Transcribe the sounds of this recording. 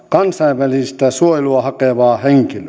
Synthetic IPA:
kɑnsɑiʋʋælisist̪æsuojeluɑhɑkeʋɑːheŋkilø

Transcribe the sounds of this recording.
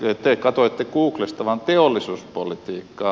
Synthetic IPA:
t̪ekɑt̪oet̪ːekuːklest̪ɑʋɑnt̪eolːˑisuːspolit̪iːkːɑː

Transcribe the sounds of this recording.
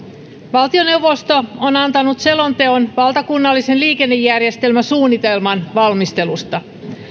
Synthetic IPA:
ʋɑlt̪io̞ne̞uwʋost̪oonɑnt̪ɑnut̪se̞lo̞nt̪e̞onʋɑlt̪ɑkunːɑlːisenliːke̞nːejːærjest̪e̞lmæsuːnːit̪e̞lmɑnʋɑlmist̪e̞lust̪ɑ

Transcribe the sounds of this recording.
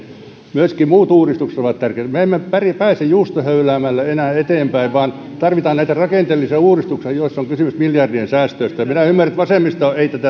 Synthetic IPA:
myøskimuːt̪uːrist̪ukse̥t̪oʋɑt̪t̪ærkeːt̪meemːepæripæːsejjuːst̪ohøylæːmælːæenæːet̪eːmpæiʋʋɑːn | t̪ɑrʋit̪ɑːnnæit̪ærɑkeˑnt̪elːiseuːrist̪uksiɑjoisːoŋkysymysmiljɑrdiensæːst̪øist̪æjɑminæymːærˑæt̪ʋɑseˑmːist̪ɑoeit̪æt̪æ

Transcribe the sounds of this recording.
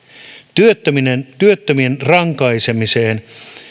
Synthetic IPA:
t̪yøt̪ːøminent̪yøt̪ːømienrɑŋkɑisemiseːn

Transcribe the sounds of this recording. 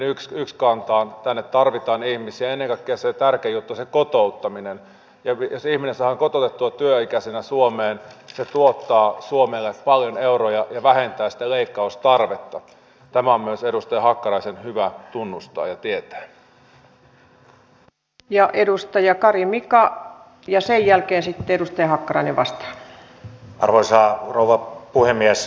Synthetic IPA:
nyksykskɑnt̪ɑːnt̪ænːet̪tɑrʋit̪ɑːnihmisiæenːeŋkɑikːeɑset̪ærkejut̪ːusekot̪out̪ːɑminen | jɑosihminesæhɑŋkot̪ot̪et̪ːuɑt̪yøikæsenæsuomeːnset̪uot̪ːɑːsuomelːeppɑljoneurojɑjɑʋæhent̪æːsi̥t̪æleikːɑust̪ɑrʋet̪ːɑ | t̪æmæommyøseɾust̪ɑjɑhɑkːɑrɑisenhyʋæt̪unːust̪ɑ̰ːjɑt̪iet̪æ̥ː | jɑʔedust̪ɑjɑkɑrimikɑ | jɑsejjælkeːnsit̪ːeedust̪ɑjɑhɑkːɑrɑineʋɑst̪ɑ̥ | ʔɑ̰rʋoisɑːrouʋɑpuhemːies

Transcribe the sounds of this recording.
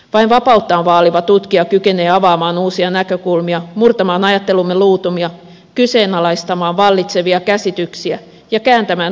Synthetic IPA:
ʋɑinʋɑpɑut̪ːɑːnʋɑːliʋɑt̪ut̪kiɑkyke̞ne̞ːɑʋɑːmɑːnuːsiɑnækø̞kulmiɑmurt̪ɑmɑːnɑjɑt̪ːe̞lumːeluːt̪umiɑ | kyse̞ːnɑlɑist̪ɑmɑːnʋɑlːit̪se̞ʋiɑkæsit̪yksiæ | jɑkæːnt̪æmæːn

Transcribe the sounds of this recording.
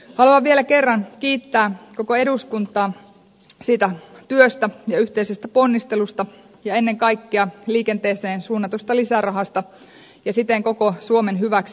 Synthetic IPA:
hɑluɑʋʋielæke̞rːɑnkiːt̪ːæːkokoe̞ɾuskunt̪ˑɑːn | siːt̪æt̪yøst̪æjɑyht̪eisest̪æponːist̪e̞lust̪ɑ | jɑenːeŋkɑikːiɑliːkent̪eːseːnsuːnːɑt̪ust̪ɑlisærɑɦɑst̪ɑ | jɑsit̪eŋko̞kosuomenɦyʋæks

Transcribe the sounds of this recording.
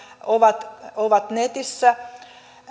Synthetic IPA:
oʋɑt̪oʋɑt̪net̪isːæ

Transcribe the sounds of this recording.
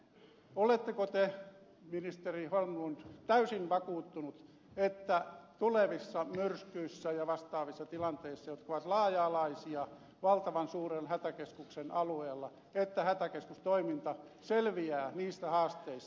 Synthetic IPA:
olet̪ːekot̪e | minist̪eriholmunt̪æysinʋɑkuːt̪ːunut̪ | et̪ːæt̪uleʋisːɑmyrskyisːæjɑʋɑst̪ɑːʋisːɑt̪ilɑnt̪eisːɑjot̪kɑoʋɑt̪lɑːjɑːlɑisiɑ | ʋɑlt̪ɑʋɑnsuːrenhæt̪ækeskuksenɑlueːlːɑ | et̪ːæhæt̪ækeskust̪oimint̪ɑ | selʋiæːniːst̪æhɑːst̪eis

